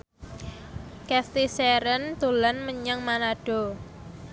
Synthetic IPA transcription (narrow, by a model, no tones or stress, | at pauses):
kɛst̪iseɾənt̪ulanməɲəŋmanaɖ̥ɔ̤